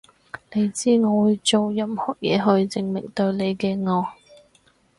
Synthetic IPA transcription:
ne˨˧jt͡siː˥ŋɔː˨˧wuuː˨˧jt͡so˨wjɐ˧mhɔː˨˩jɛ̰ː˨˧ɦɵ˧ɥt͡sɪ˨˧ŋmɪ̰˨˩ŋt̪ɵ˧ɥle˨˧jkɛː˧ŋɔː˧

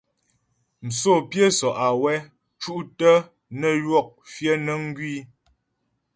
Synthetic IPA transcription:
m̩˨so˦˨pje˦sɔ˨ʔa˨wɛ˦ | t͡ʃu˦ʔtə˦ | nə˦˨lwɔ˦˨k̚fjə˦nə˦ŋ̩˦ɡɥi˦

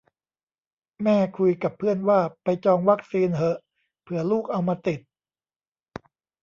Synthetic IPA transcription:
mɛː˥˩kʰu˧jka˨˩pʰːɯ˥˩ənwaː˥˩pa˧jt͡ɕɔː˧ŋwa˦˥k̚siː˧nɦɤ˦ʔ | pʰɯ˥˩ɐluː˥˩k̚ʔa˧wmaː˧t̪i˨˩t̪̚

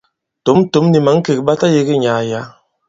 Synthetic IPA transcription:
to˨˦m˦to˨˦mni˨ma˨˦ŋ̩˦ke˨k̚ɓa˦ta˦je˦ɡe˦ɲaː˨ja˨˦

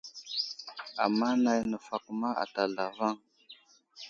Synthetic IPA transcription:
a̰˨mːa˦na˨jnə˨fa˨kma˦ʔa̰˨ta˨ɮa˨va˦ŋ

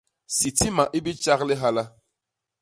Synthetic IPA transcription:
si˨ti˦ma˨ʔi˦bi˦t͡ʃa˦ɣlɪ˦ɦa˦la˦

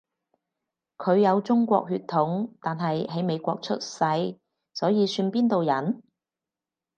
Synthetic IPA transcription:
kʰɵ˨˧ɥjɐ˨˧wt͡sʊ˥ŋkʷɔ̰ː˧k̚hyː˧t̪ʰːʊ˨˥ŋt̪aː˨nɦɐ˨jɦɐ˨˥jme˨˧jkʷɔ̰ː˧k̚t͡ʃʰɵ˥t̚sɐ˧j | sɔː˨˥jiː˨˧syː˧npiː˥nt̪o˨wjɐ˨˥n

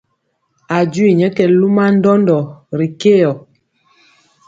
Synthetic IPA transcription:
a˨d͡ʒwi˨ɲɛ˦kɛ˨lu˦ma˦n̩˦dɔ˦ndɔ˨ɾi˨ke˦jɔ˨

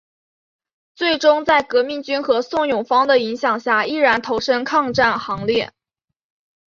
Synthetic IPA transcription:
t͡swe˥˩ɪʈ͡ʂʊ˥ŋt͡sa˥˩ɪkɤ˧˥mi˥˩ŋt͡ɕy˥nxɤ˧˥sʊ˥˩ŋjʊ˨˩ŋfɑ˥ŋd̪ə˨i˧˥ŋɕjɑ˨˩ŋɕja˥˩i˥˩ɻa˧˥nt̪ʰo˧˥ʊʂə˥nkʰɑ˥˧ŋʈ͡ʂa˥˩nxɑ˧˥ŋljɛ˥˩

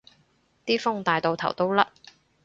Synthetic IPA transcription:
t̪iː˥fʊ˥ŋt̪aː˨jt̪o˨wt̪ʰɐ˨˩wt̪o˥wlɐ˥

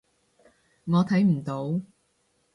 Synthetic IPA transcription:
ŋɔː˨˧t̪ʰɐ˨˥jm̩˨˩t̪o˨˥w

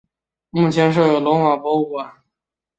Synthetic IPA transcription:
mu˥˩t͡ɕʰjɛ˧˥nʂ̬ɤ˥˩jo˨˩lwɔ˧˥ŋxwa˨˩pwɔ˧˥u˨˩a˨˩˦

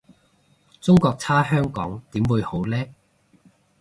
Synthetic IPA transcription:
t͡sʊ˥ŋkɔː˧k̚t͡sʰaː˥ɦœː˥ŋkɔ̰ː˨˥ŋt̪iː˨˥mwuː˨˧jho˨˥wlɛː˥

